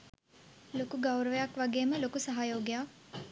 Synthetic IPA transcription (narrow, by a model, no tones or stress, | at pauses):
lokuɡawɾəʋəjakʋaɡeːməlokusaɦajoːɡijak